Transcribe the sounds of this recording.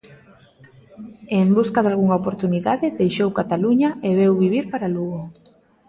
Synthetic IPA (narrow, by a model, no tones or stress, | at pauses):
embuskaðalɣuŋaopoɾt̪uniðaðɪðejʃowkat̪aluɲɐeβewβiβiɾpaɾaluɣo